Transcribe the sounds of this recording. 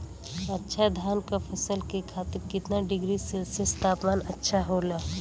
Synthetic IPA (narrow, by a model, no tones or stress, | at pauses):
ɐtːʃʰad̪ʱjaːnkapʰɐsəlkekʰaːt̪ɪɾkɪt̪naɖɪɡɾiselsest̪aːpmaːnɐtːʃʰaɦoːlaː